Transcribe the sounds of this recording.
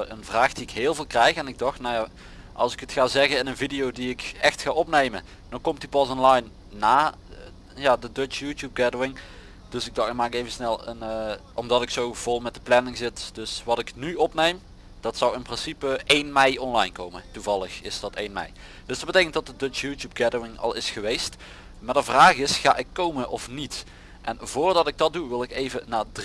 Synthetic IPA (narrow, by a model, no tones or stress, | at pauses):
ənvraːxd̥iɪkɦɪːlˠvɪːlˠkrɛjxɛnɪɡ̚dɑxtnawja | ʔɑ̰lˠsɪkətxaːzɛɣəɪnənvidijowdiɪkɛxtxaːʔɔpnejmə | d̥ɑnkɔmtypɑsɔnlɑjnː | aː | jaːdədøt͡ʃjutjup̚ɡɛdowɪŋ | d̥ɵsɪɡ̚dɑxmaːkɪkejvənsnɛlˠə̰nʔɔmdɑtɪksowv̥ɔlˠmɛt̚dəplɛnɪŋzɪtd̥ɵsʋɑtɪknyɔpnejm | d̥ɑtsʌwɪnprɪnsipəʔejnmɛjɔnlɑjnkowmətuvɑlˠəxɪsdɑtejnmɛ̰j | d̥ɵsdɑd̚bətejkəntdɑt̚dədøt͡ʃjutjub̚ɡɛdowɪŋɑ̰lˠɪsxəʋejst | madəvraːχɪsχa̰ːʔɪkːowmənʔɔfnit | ʔɛnvʊːrdɑtɪɡ̚dɑt̚duʋɪlˠɪkejvənaːd